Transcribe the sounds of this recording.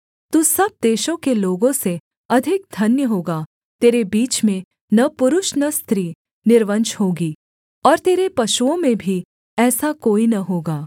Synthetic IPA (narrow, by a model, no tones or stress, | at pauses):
t̪uːsɐb̚d̪eːʃõkeloːɡõse | ɐd̪ʱɪk̚d̪ʱɐnjəɦoːɡa | t̪eːɾebiːt͡ʃmẽ | nɐpʊɾʊʃnɐst̪ɾiː | nɪɾʋə̃nt͡ʃɦoːɡiː | ɔːɾt̪eːɾepɐʃuõmẽbʱi | ɛːsakoːinɐɦoːɡaː